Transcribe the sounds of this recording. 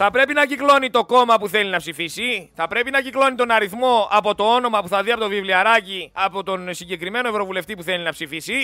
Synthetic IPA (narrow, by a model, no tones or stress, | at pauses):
θɐpɾe̞pinɐciklo̞nit̪o̞ko̞mɐpuθe̞linɐpsifisiθɐpɾe̞pinɐciklo̞nit̪o̞nɐɾiθmo̞ɐpo̞t̪o̞o̞no̞mɐpuθɐðiɐpot̪ovivliɐɾɐciɐpo̞t̪o̞nsiɲɟe̞kɾime̞no̞e̞vɾo̞vule̞ft̪ipuθe̞linɐpsifisi